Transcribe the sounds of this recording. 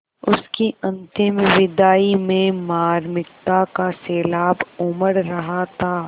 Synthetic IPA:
ʊskiɐ̃nt̪ɪmʋɪd̪aːimẽmaːɾmɪk̚t̪akaseːlaːbʊməɾɾɐɦat̪ʰaː

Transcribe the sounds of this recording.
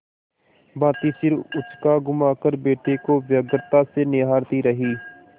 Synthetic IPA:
bãːt̪iːsɪɾʊskaːɡʊmaːkəɾbeːʈeːkoːʋjəɡəɾt̪aːseːnɪɦaːɾt̪iːɾəɦiː

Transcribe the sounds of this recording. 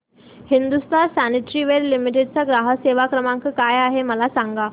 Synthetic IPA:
hind̪ust̪asaniʈɾiʋeɾlimiʈeɖ̚t͡saɡɾaɦəseʋakɾəmãŋkəkajaɦeməlasaŋɡa

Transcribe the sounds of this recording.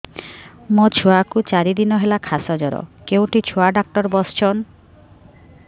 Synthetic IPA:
mot͡ɕʰuakut͡ɕaɾid̪inɔɦelakʰasɔd͡ʑɔɾɔ̰kewʈit͡ɕʰuaɖak̚ʈɔɾbɔst͡ɕʰon

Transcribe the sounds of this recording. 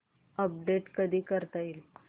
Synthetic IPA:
əp̚ɖeʈkəd̪ʱiːkəɾt̪ail

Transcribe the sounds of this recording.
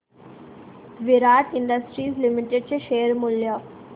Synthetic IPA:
ʋiɾaːʈiɳɖəsʈɾiːslimiʈeɖ̚t͡ɕeʃeːəɾmuljə

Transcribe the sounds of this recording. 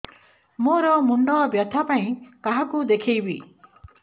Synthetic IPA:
moɾɔmuɳɖɔbjɔt̪ʰapaĩkaɦakud̪ekʰijbi

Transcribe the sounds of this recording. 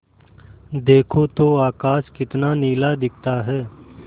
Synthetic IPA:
d̪eːkʰoːt̪oːaːkaːʃkɪt̪naːniːlaːd̪ɪk̚ʰt̪aːɦɛː

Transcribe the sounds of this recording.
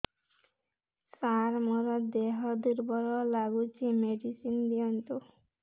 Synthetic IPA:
saɾmɔɾɔd̪eɦɔd̪uɾbɔɾɔlaɡut͡ʃʰimeɖisind̪iɔnt̪u

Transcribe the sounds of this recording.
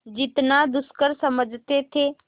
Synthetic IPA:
d͡ʒɪt̪nad̪ʊskəɾsəməd͡ʒʱt̪et̪ʰeː

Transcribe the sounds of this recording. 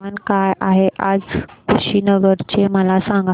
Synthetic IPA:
ankajʔaɦeʔad͡zkʰuɕiːnəɡəɾt͡ɕeməlasãŋɡa

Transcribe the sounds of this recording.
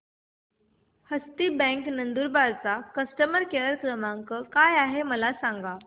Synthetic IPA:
həst̪iːbɛ̃ŋknənd̪uːɾbaɾt͡sakəsʈəməɾkeɭəɾkɾəmãŋkəkajaɦeməlasãŋɡa

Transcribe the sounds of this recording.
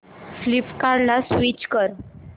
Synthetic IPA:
flipkaɾlasʋit͡ɕkəɾ

